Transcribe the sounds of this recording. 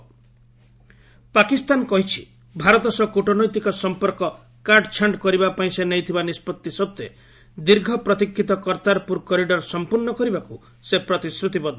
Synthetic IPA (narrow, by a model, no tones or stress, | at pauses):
pakist̪ankɔɦit͡ʃʰi̥ | bʱaɾɔt̪ɔsɔkuʈɔnɔjt̪ikɔsɔmpɔɾkɔ | kaɾɖt͡ʃʰaɳɖkɔɾibapaĩsenejt̪ʰibanispɔt̪ːisɔb̚t̪e | d̪iɾɡʱɔpɾɔt̪ikʰːit̪ɔkɔɾt̪aɾpuɾkɔɾiɖɔɾsɔmpuɾnɔkɔɾibaku | sepɾɔt̪isɾut̪ibɔd̪ʱɔ